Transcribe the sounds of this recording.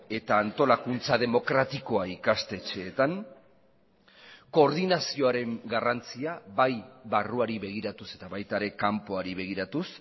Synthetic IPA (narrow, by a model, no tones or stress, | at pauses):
e̞t̪aːnt̪o̞lakunt͡sað̞e̞mo̞kɾat̪iko̞aikast̪e̞t͡ʃe̞ːt̪aŋ | ko̞ːɾðinasio̞aɾe̞ŋɡarant͡siaβajβaruaɾiβe̞ɣ̞iɾat̪use̞t̪aβajt̪aɾe̞kampo̞aɾiβe̞ɣ̞iɾat̪us